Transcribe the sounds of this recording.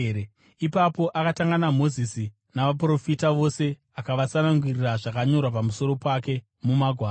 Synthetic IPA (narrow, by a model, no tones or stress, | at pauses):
ipapo̞ʔakataŋɡanamo̞zisi | naʋapro̞fitaʋo̞se̞ | akaʋasanaŋɡwiriraʐakaɲo̞rwapamuso̞ɾo̞pake̞ | mumaɡʱwaː